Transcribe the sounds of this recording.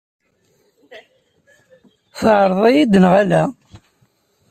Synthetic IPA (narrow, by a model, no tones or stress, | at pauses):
θəʕɾˤðˤæjid̪ənʁælæ